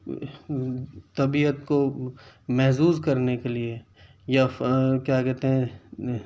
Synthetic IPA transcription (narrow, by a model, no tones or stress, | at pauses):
t̪ɐbiːət̪ko | mɛɦsuːzkɐɾnekelie | jakjaːkɛɦt̪eɦɛ̃